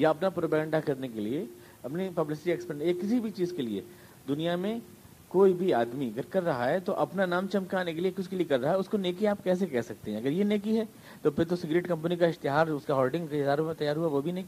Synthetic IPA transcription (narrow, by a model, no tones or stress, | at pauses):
jaɐpnapɾoːpɛɡɛ̃ɳɖakɐɾnekelie | ɐpnipɐblɪs̬ɪ̥ʈiɛkspɛeːkːɪs̬ibʱit͡ʃiːzkeliḛ | d̪ʊnijamẽ | koːibʱiaːd̪miɐɡəɾkɐɾːɐɦaɦɛt̪oʔɐpnanaːmt͡ʃɐmkaːnek̬eliekʊt͡ʃkeliekɐɾːɐɦaɦɛʊskoneːkiaːp̚kɛːs̬ekɛːsɐk̚t̪eɦɛ̃ɐɡəɾjeneːkiɦɛː | t̪opɪɾt̪osɪɡɾeːʈkɐ̃mpənikaɪst̪ɪɦaːɾʊskaɦɔːlɖɪ̃ŋɡkeɪzaːɾopẽt̪ɐjaːɾɦuaʋobʱineːki